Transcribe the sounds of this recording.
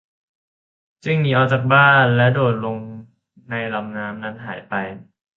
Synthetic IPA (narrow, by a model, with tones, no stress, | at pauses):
t͡ɕɯ˥˩ŋmiː˧˩ʔɔː˧˩t͡ɕaː˨˩k̚baː˥˩nlɛ˦˥doː˨˩t̪̚lo˧ŋ | na˧jla˧mnaː˦˥mna˦˥nɦa̰ː˩˦jpa˧j